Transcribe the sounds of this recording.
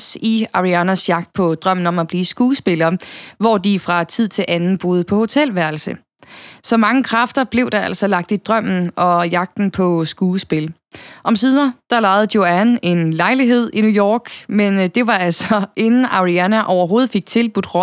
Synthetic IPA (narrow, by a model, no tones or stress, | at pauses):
siɑ̈ʁiænæsjɑ̈ɡ̥̚d̥̚pʰɒ̽d̥ʁɶm̰n̩ɒ̽mæb̥liːsɡ̥uːsb̥e̝lɐːʋɒːd̥ifʁɑ̈t͡sʰið̰ˠt͡sʰe̝lʔænn̩b̥o̝ːð̞ˠəpʰɒ̽ho̝t͡sʰel̰ʋæɐl̩sə | sɒ̽mɑ̈ŋəkʰʁɑfd̥ɐb̥le̝ʊd̥ɑ̈æl̰sɒ̽lɑ̈ɡ̥̚d̥id̥ʁɶm̰n̩ɒ̽jɑ̈ɡ̥̚d̥n̩pʰɒ̽sɡ̥uːsb̥e̝l | ʔɒ̽msiːðˠɐd̥ɑ̈lɑ̈ɪð̞̩ˠd̥jo̝æne̝nlɑ̈ɪliɦe̝ð̰ˠinujɒ̰ːɡ̥mend̥e̝ʋɑ̈ælsɒ̽ʔe̝nn̩ɑ̈ʁiænæʔɒʊɐɦo̝ːð̩ˠfe̝ɡ̥̚t͡sʰe̝lb̥ud̥ʁɒ̽